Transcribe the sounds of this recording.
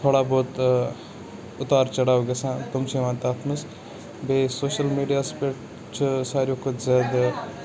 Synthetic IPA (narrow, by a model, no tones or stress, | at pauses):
t̪ʰoːɽaːboːt̪ | ʊt̪aːɾt͡ʃɐɽaːoɡesãːt̪ʊmt͡ʃʰẽʋãːt̪aːt̪ʰməs | beːsoːʃəlmiːɖijaːspeːʈ | t͡ʃʰusaːɾjoːkʊt̪zaːd̪